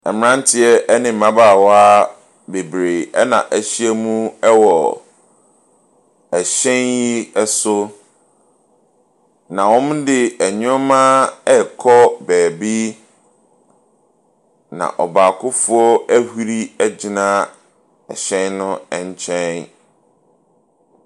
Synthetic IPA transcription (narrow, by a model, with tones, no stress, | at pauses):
ɛ˨m˦ã˦n˦tʰɪ˦ɛ˦ʔɛ˦nɪ̃˨m̩˨mã˦baː˦˨wɔ˦a˦ | be˨bɾe˨ɛ˦nã̰˨ʔæ˨ɕi˦æ˦mũ˦ɛ˦wɔ˨ | æ˨ɕɛ̃˦nji˦ɛ˦sʊ˦ | nã˨wɔ̃˦m˦dɪ˨æ˨ɲʊ̃˦mã˦ɛ˦kʰɔ˦bɛː˨bi˦ | nã̰˨ʔɔ˨baː˨kʰʊ˦fʊ˦ɔ˦æ˦hu˦ɾi˦æ˦d͡ʑi˨nã˦ | ɛ̰˨ɕɛ̃˦nnʊ̃˦ɛ˨ɲ˦t͡ɕʰɛ̃˦n